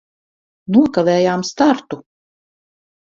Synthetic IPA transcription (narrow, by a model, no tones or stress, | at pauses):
nuɔkavɛːjaːmst̪aɾt̪u